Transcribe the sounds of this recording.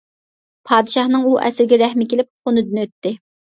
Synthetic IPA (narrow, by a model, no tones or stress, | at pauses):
pʰɑːd̪ɨʃɑhnɨŋuʔɛ̰sɪɾɪɡʲɛɾɛhmɪkʲelɪp̚χonɨd̪ɨnøt̪ːɪ